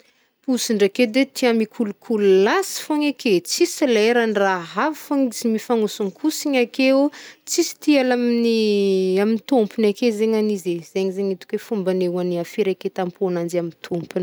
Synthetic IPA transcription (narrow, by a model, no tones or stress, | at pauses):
pusiɳɖ͡ʐaked̪et̪iamikʰulukʰululasi̥foɲaket͡sisileɾanraɦavifoŋit͡simifaŋusuŋkʰusiɲakeot͡sisi̥t̪ialaminiamint̪umpunakezeɲanizez̥eɲzeɲit̪u̥kʲwefumbanewaniafiɾeket̪ampʰonand͡ʒamint̪ʰumpun